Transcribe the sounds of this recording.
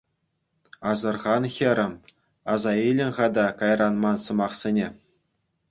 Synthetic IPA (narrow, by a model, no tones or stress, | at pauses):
ɑzɤ̆rʁɑnxʲɘ̆ɾʲɘ̆m | ɑzɑilʲɘ̆nʲχɑd̪ɑkɑjrɑnmɑnsɤ̆mɑχsʲenʲe